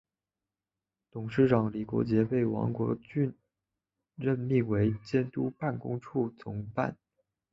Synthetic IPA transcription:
t̪ʊ˨˩ŋʂɻ̩˥˩ʈ͡ʂɑ˨˩ŋli˨˩kwɔ̰˧˥t͡ɕjɛ˧˥pe˥˩ɪwɑ̰˧˥ŋkwɔ˧˥t͡ɕy˥˧n | ɻə˥˧nmi˥˩we˧˥ɪt͡ɕjɛ˥nt̪u˥pa˥˩nkʊ̰˥ŋʈ͡ʂʰu˥˩t͡sʰʊ˧˥ŋpa̰˥˩n

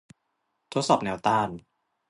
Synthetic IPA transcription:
t̪ʰo˦˥t̪̚sɔː˨˩p̚nɛː˨˦˥wt̪aː˥˩n

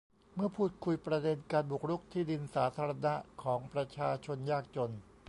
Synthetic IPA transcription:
mɯ˥˩ɐpʰuː˥˩t̪̚kʰu˧jpɾa˧de˧nkaː˧nbu˨˩k̚ɾu˦˥˩k̚t̪ʰiː˥˩di˧nsaː˩˦t̪ʰaː˧ɾa˧na˦˥ʔkʰɔː˩˦ŋpɾa˧t͡ɕʰaː˧t͡ɕʰo˧njaː˥˩k̚t͡ɕo˧n

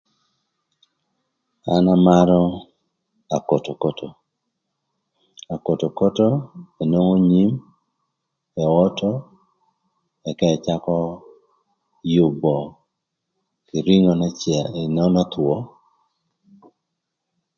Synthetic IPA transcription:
a˨˦na˦ma˦ɾɔ˦ | a˨ko˨to˨ko˦to˨ | a˨ko˨to˨ko˦to˦e˨no˦ŋo˦ɲi˦m | ɛ˨ɔ˦tɔ˦ | ɛ˨ka˦ɛ˨t͡ʃa˦kɔ˦ | jʊ˨bɔ˨ | kɪ˨ɾi˦ŋɔ˨nɛ˦t͡ʃja˨e˨nɔ˦nɔ˦t̪wɔ˦

